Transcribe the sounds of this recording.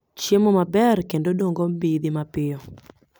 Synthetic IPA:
t͡ʃjemomabɛrkendodoŋɡɔmbid̪ɪmapɪjɔ

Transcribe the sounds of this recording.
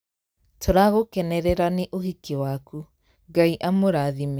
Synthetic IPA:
tʰoɾaɣokeneɾeɾaniʔohikeoaku | ɡajʔamoɾaðime

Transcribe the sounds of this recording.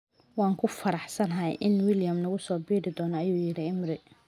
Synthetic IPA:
wɑːŋkʰʊfɐɾɑħsɐnɐɦɐjʔɪnwɪljɐmnɐɣʊsɔːbiːɾɪd̪ɔːnɔɐjuːjɪɾɪɪmɾɪ

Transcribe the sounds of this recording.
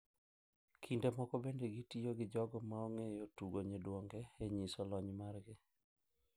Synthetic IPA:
kʰindemɔkɔbendeɡitijoɡɪd͡ʒɔɡɔmaoŋejotuɡoɲedwoŋɡɛeɲisɔlɔɲmarɡɪ

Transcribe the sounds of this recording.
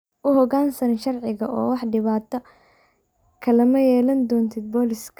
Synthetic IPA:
ʔʊhɔɣaːnsɐnʃɐrʕɪɣɐʔɔ̰ːwɑħɖɪβaːt̪ʰɐ | kʰɐlɐmɐjɛːlɐnd̪ɔːnt̪ʰɪd̪̚bɔːlɪskʰ

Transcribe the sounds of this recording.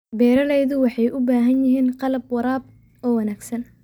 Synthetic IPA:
bɛːɾɐlɛjðʊwɑħɑjʔʊbaːɦɐnjɪɦiːnqɑlɐb̚wɑɾaːb̚ | ɔːwɐnaːɡsɐn

